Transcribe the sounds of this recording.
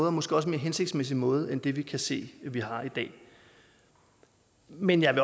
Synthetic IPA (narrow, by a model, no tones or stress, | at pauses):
ð̩ˠɐmɒ̽sɡ̥eɒ̽sme̝ɐɦenseɡ̥̚d̥smes̬imɔ̽ːð̞̩ˠend̥e̝ʋikʰæse̝̰ːʋiɦɑ̈id̥ɛ̰ː | menjɑ̈ɪʋe̝